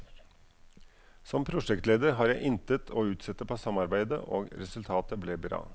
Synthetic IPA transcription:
sɔmpʰɾʊʂɛkt̪leːd̪əɾɦɑːɾjæɪʔɪnt̪ət̪ʰoːʉːt̪sɛt̪ːəpʰoːsɑmɑɾbæɪd̪ə̰ʔo̰ːɡɾɛsʉlt̪ʰɑːt̪əblɛːbɾɑ̰ː

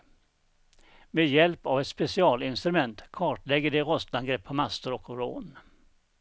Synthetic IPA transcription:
meːjɛlpavɛt̪spɛsɪɑːlɪnst̪ɾɵmɛnt̪kʰɑːʈlɛɡːəɖɛɾɔst̪anɡɾɛpʰːɔmast̪əɾɔkɾo̰ːn

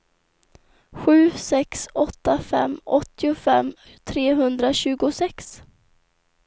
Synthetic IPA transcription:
ɧʉ̟ːsɛksɔt̪ːafɛ̰mɔt̪ːɪʊfɛmː | t̪ʰɾeːɦɵnd̪ɾaɕʉ̟ːɡʊsɛks

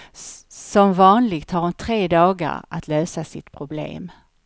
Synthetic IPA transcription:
sɔmvɑːnlɪɡt̪haɾhʊnt̪ʰɾeːd̪ɑːɡa̰ɾa̰t̪ʰløːsasɪt̪pʰɾʊblḛːm

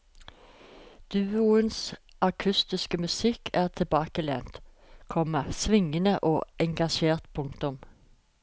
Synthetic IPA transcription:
d̪̥ʉːʊənsʔɑkʰʉst̪ɪskəmʉsɪkʰæːʁt̪ʰɪbɑːkəlḛːnt̪ | kʰɔməsʋɪŋənəʔoːɛŋɡɑʃeːʁt̪pʰʊŋt̪ʊm

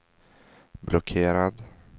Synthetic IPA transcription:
blɔkʰeːɾad̪

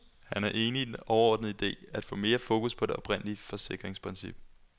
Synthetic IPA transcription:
hænæɐʔe̝ːninɒʊɐɒːd̥nð̩ˠid̥e̝̰ːæd̥fɔ̽ːme̝ːɐfo̝ːkuspʰɒ̽d̥e̝ɒ̽b̥ʁen̰əliəfɒ̽se̝ɡ̥ʁeŋspʰʁinsḭb̥̚

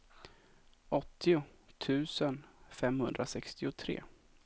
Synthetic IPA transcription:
ʔɔt̪ʰːɪʊt̪ʰʉ̟ːsənfɛmhɵnd̪ɾasɛkst̪ɪʊt̪ʰɾḛː

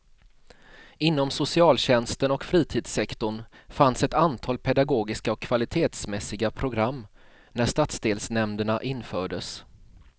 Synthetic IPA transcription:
ɪnːɔmsʊsɪɑːlɕɛnst̪ənɔkfɾiːt̪ʰiːd̪sɛkt̪ʊɳ | fansɛt̪ant̪ʰɑːlpʰɛd̪aɡoːɡɪskaɔkʰːvalɪt̪ʰeːt̪smɛsːɪɡapʰɾʊɡɾamː | næʂt̪at̪sd̪eːlsnɛmd̪əɳaʔɪnːfœːɖəs

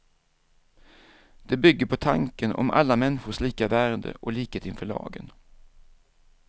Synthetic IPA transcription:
d̪̥ɛbʏɡːəɾpʰɔt̪ʰaŋkənɔ̰mʔa̰lːamɛnːɧʊʂliːkavæːɾd̪ə̰ʔɔliːkət̪ɪnfœɭɑ̰ːɡən

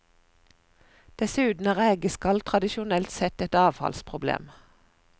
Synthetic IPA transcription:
d̪̥ɛsʉːt̪n̩æːʁæːɡəskɑlt̪ʰʁɑd̪ɪʃʊnɛlt̪sɛt̪ɛt̪ɑːʋhɑ̰lspʰʁʊblḛːm

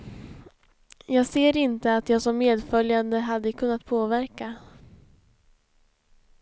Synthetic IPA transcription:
jɑːɡseːɾɪnt̪əat̪jɑːɡsɔmːeːd̪fœljand̪əɦad̪ːəkʰɵnːat̪pʰoːvæɾka

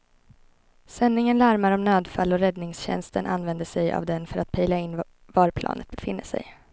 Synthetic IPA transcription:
sɛnːɪŋənlæɾmaɾɔmnøːd̪falːɔɾɛd̪nɪŋsɕɛ̰nst̪ənʔanvɛnd̪əʂɛja̰vd̪ɛnfœɾat̪̚pʰɛjlaɪnː | vɑɾpʰlɑ̰ːnʔət̪̚bɛfɪnːəʂɛ̰j

